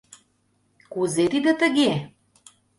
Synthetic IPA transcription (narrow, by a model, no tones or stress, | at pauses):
kuzet̪id̪ət̪ə̆ɣe